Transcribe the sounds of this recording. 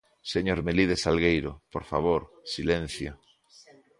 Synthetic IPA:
seɲoɾmelið̞esalɣejɾopoɾfa̰β̞oɾ | silen̟θjo

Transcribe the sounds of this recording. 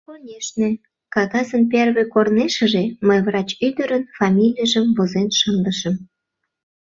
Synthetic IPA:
ponʲeʃne | kɑɣɑzənp̬erβekorneʃə̆ʒeməjvrɑt͡ɕyd̪əɾənfɑmʲilʲijəʒəmvozenʃənd̪əʃəm

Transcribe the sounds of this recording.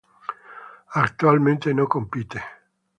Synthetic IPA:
akt̪ualment̪enokːompiːt̪e

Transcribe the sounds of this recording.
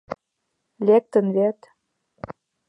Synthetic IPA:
lʲek̚t̪ə̆nβet̪

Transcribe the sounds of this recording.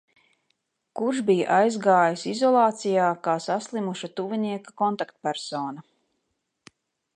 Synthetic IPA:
kuɾʃbija̰ʔajzɡaːjisizɔlˠɑːt̪sijaːkaːsaslˠimuʃat̪uviniɛkakɔnt̪akt̪̚pæɾsɔːnɐ

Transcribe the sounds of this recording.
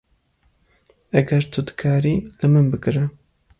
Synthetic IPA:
ɐɡɐɾt̪ʰud̪ɨ̥kʰaːɾiːlɨmɨnbɨkɨɾɨ

